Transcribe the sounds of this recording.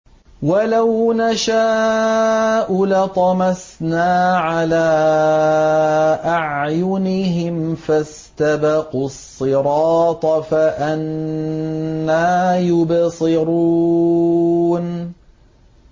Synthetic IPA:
walawnaʃa | ʔʊlat̪ˤɑmasnaːʕalaː | ʔaʕjʊnɪɦɪmfas | t̪abɑqusˤːɨɾˤɑːt̪ˤɑfaʔan | aːjʊbsɨɾuuː | n

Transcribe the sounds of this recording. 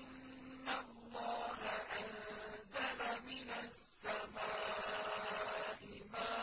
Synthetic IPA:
ʔɪnnːalːɑːɦaʔanzalamɪnasːamaː | ʔɪmaː

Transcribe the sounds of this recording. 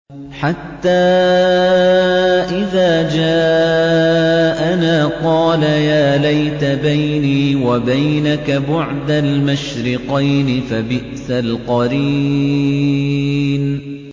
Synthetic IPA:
ħat̪ːaː | ʔɪðaːd͡ʒaː | ʔanaːqɑːlajaːlajt̪abajniːwabajnakabʊʕd̪almaʃɾɪqɑjnɪfabɪʔsalqɑɾiː | n

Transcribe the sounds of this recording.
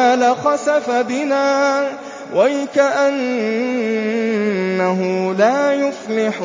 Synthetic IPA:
alaxɑsafabɪnaː | wajkaʔan | aɦʊlaːjʊflɪħ

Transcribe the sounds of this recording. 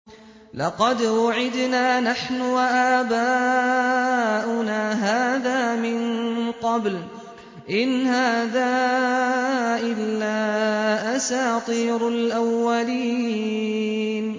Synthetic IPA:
lɑqɑd̪wʊʕɪd̪naːnaħnʊwaʔaːbaː | ʔʊnaːɦaːðaːmɪnqɑbl | ʔɪnhaːðaː | ʔɪlːaːʔasaːt̪ˤiːɾalʔawːaliː | n

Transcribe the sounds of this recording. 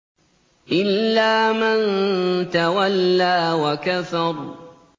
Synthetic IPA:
ʔɪlːaːmant̪awalːaːwakafɑɾˤ

